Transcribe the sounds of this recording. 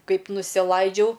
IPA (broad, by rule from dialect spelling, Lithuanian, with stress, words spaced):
ˈkɐɪp nʊsʲɪˈlˠɐɪd͡ʒʲɛʊ